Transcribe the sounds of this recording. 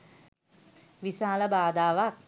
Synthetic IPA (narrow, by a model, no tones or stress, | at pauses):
ʋisaːləbaːd̪aːʋak